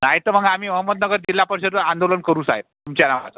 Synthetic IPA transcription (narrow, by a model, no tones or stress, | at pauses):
naɦit̪əɾm̤əɡam̤iːməɦəmːəd̪̚nəɡəɾd̪ilapəɾsət̪əand̪olənkəɾuːsa̰ɦet̚t̪umt͡ɕjanaʋa̰t̪